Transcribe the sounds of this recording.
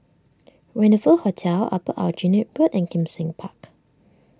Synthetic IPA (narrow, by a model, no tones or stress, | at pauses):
ɹɛ̃nəfəlhotʰɛla̰pəʔa̰d͡ʒĩnit̚b̥ɹətɛ̃nkʰĩmsɪ̃ŋpʰak